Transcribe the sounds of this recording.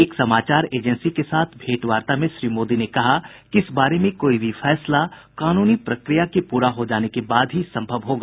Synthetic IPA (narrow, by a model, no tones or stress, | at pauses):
eːksɐmaːt͡ʃaːɾeːd͡ʒənsikesaːt̪ʰbʱeːʈʋaːɾt̪amẽʃɾiːmoːd̪inekɐɦa | kiɪsbaːɾemẽkoːibʱifʰɛːslakaːnuːnipɾɐkɾijakepuːɾaɦod͡ʒaːnekebaːd̪ɦisɐ̃mbʱəʋɦoːɡaː